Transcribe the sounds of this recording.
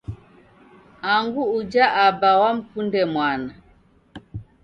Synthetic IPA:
aŋɡuud͡ʒaʔabawam̩pundɛmwana

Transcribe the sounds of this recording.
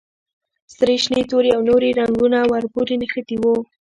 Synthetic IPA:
sɾeʃnet̪oɾeawnoɾiɾaŋɡunawaɾpuɾinəxət̪iwo

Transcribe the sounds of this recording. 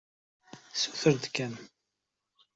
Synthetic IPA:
suθəɾd̪kæn

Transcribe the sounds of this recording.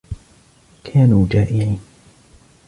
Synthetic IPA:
kʰaːnuːd͡ʒaːʔɪʕiːn

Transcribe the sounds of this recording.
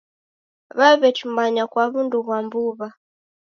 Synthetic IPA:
βaβɛt͡ʃumbaɲakwaβunduβwambuβa

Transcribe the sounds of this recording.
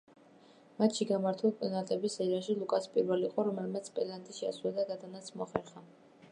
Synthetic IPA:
mat̪ʃiɡamaɾt̪ʰulˠpʼɔnat̪ʼɛbisɛɾaʃilˠukʼaspʼiɾvɛliqʼɔɾɔmɛlˠmat̪sʰpʼɛlant̪ʼiʃɛaswlad̪aɡad̪anat̪sʰmɔχɛɾχa

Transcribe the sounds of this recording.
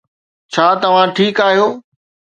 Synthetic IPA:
t͡ɕʰaːt̪ɐʋ̤ãʈʰiːkaːɦijoː

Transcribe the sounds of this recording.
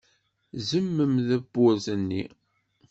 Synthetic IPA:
zəmːəmðæbːʊɾzənːḭ

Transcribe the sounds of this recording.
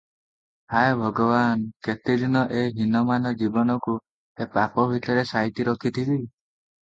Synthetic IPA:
hajbʱɔɡɔbanket̪ed̪ʱinɔʔeɦinɔmanɔd͡ʒibɔnɔku | epapɔbʱiʈ̪ɔɾesajt̪iɾɔkʰit̪ʰibi

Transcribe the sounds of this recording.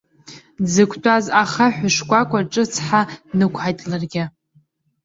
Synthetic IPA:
d͡zɨkʷʰtʷʼazaχaħʷᶣʊʂkʷʼakʷʼaʈ͡ʂʼɨt͡sʰħanɨkʷʰħajtʼlarɡʲɪ

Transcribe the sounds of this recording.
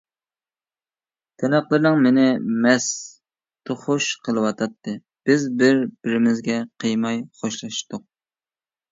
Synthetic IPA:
t̪ʰɛnæqlˠɨɾnɨŋmɪnɪmɛs | t̪ʰoχʊʃqʰəlˠɨwɑt̪ʰɑt̪ːɨ | b̥ɪzbɪɾb̥ɪɾɪmɪzɡʲɛqʰəjmɑjχoʃlˠɑʃt̪ʊq̚

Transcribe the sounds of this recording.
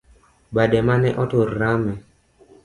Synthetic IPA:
badɛmanɛʔɔtoɾamɛ

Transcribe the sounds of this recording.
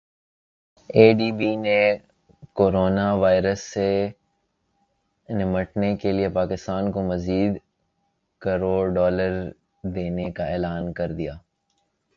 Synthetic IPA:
eːɖiːbine | koːɾoːnaʋaːɪɾəsːe | nɪməʈnekeliepaːkɪst̪aːnkomɐziːd̪ | kɐɾoːɖɔːləɾ | d̪eːnekaeːlaːnkɐɾd̪ijaː

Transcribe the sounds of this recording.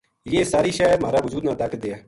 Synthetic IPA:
jeːsaːɾiːʃɛːmaːɾaːʋʊd͡ʒuːd̪naːd̪aːkd̪eːaː

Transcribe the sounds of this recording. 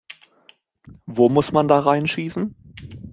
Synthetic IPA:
voːmʊsmandaːʁaɪnʃiːsn̩

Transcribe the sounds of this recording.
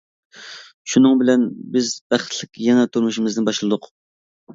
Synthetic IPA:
ʃunɨŋbɪlɛnbɪzbæχt̪ʰlɪkʲʰjɛnɛt̪ʰuɾmuʃimɪznɪnbɑʃlˠɨd̪ʊq

